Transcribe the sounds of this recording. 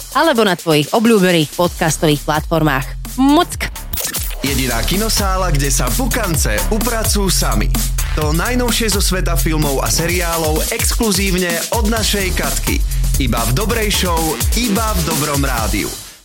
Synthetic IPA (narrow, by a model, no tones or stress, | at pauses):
alɛbɔnat̪ʋɔjiɣɔbʎuːbɛniːxpɔt̪kast̪ɔʋiːxplat̪fɔɾma̰ːx | mut͡sk | jɛɟinaːkinɔsaːlaɡɟɛsavukant͡sɛupɾat͡sujusamḭt̪ɔnajnɔʊʃɪɛzɔsʋɛt̪̬afilmɔʊa̰sɛɾiaːlɔʊɛkskluziːʊɲɛ | ɔd̪naʃɛjkat̪kḭibavd̪ɔbɾɛjʃɔʊibavd̪ɔbɾɔmɾaːd̪ḭṵ